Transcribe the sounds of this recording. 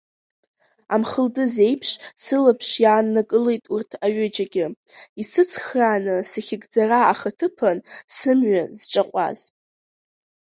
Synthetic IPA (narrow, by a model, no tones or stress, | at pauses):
amχəldɨze̞jpʰʂsɨlapʰʂjaːnːakʼɨle̞jtʼurtʰaɥʏd͡ʒaɡʲɪ | isɨt͡sʰχraːnɨsaχʲɪɡʼd͡zaraːχatʰɨpʰansɨmɥazʈ͡ʂʼaqʷʼa̰z̥